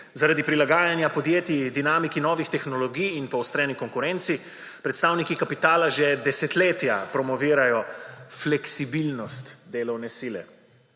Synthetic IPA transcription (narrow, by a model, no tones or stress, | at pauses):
zaɾad̪ipɾilaɡaːjanjapɔd̪jeːt̪id̪inaːmikinɔːʋixt̪ɛxnɔlɔɡijːnpɔwst̪ɾɛːnikɔŋkuɾɛnt̪si | pɾɛt̪st̪aːwnikikapit̪aːlaʒɛd̪ɛsɛt̪leːt̪japɾɔmɔʋiːɾajɔflɛksibilnɔst̪d̪eːlɔwnɛsilɛ̰